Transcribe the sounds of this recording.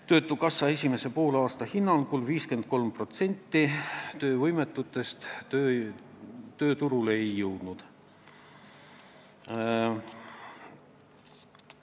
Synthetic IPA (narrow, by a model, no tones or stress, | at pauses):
t̪ø̞ːt̪ːˑukɑsːɑe̞sʲime̞se̞po̞ːlɑːst̪ɑhinːɑlkulviːske̞nd̪̥̚ko̞lmpro̞t̪se̞nʲt̪ːit̪ø̞ːvɤjme̞t̪ːˑut̪ːˑe̞st̪ː | t̪ø̞ːt̪uɾuleejːɤwd̪̥nud̪̥